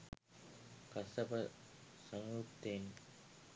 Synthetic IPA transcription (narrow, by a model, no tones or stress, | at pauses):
kɐsɐpɐsɐŋut̪eːn